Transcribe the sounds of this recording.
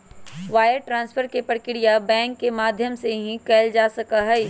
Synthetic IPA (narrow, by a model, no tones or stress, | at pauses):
ʋaːjəɾʈɾãːnspʰəɾkepəɾkɪɽijabɛ̃ːŋkːemaːd̪ʱjəmseɦĩkɛːld͡ʒaːsɐkaɦɛ